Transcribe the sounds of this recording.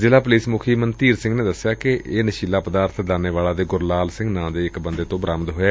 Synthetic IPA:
zɪlaːp̬ʊliːsmʊkʰiːmənt̪iːɾsɪ̃ŋɡneːd̪əsɪjaːkɪeːnəʃiːlaːpəd̪aːɾt̪ʰd̪aːneːʋaːlaːd̪eːɡʊɾlaːlsɪ̃ŋɡnãːd̪eːɪkbənd̪eːt̪õːbɾaːmt̪ɦoːeː

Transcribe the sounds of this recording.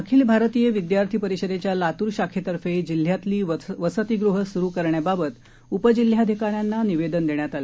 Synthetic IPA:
akʰiːlbʱaɾət̪ijəʋid̪jaɾt̪ʰiːpəɾiɕəd̪et͡ɕjalat̪uːɾɕakʰet̪əɾfed͡ʑil̤ːjat̪liːʋəsət̪iɡɾuɦəsuɾukəɾɳjababət̪ | upəd͡ʑil̤jad̪ʱikaɾjanːaniʋed̪ənd̪eɳjat̪ale

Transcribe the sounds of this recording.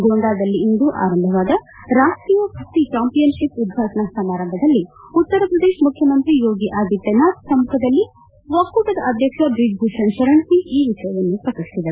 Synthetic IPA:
ɡoːɳɖ̪aːd̪ɐlːiːnd̪uʔa̰ːɾɐmbʱɐʋaːd̪ɐ | ɾaːʂʈɾiːjɐbʱɐt̪it͡ʃaːmpijɐnʃipud̪̚ɡʱaːt̪ɐɳɐsɐmaːɾɐmbʱɐd̪ɐlːiut̪ːɐɾɐpɾɐd̪eːʂmukʰjɐmɐnt̪ɾijoːɡiʔaːd̪it̪ːjɐnaːt̪sɐmukʰɐd̪ɐlːi | ʋɐkːuːʈɐd̪ɐʔɐd̪ʱjɐkʂɐɖɾiɡ̚bʱuːʂɐnʃɐɾɐnsiiːʋiʂɐjɐʋɐnːupɾɐkɐst̪id̪e

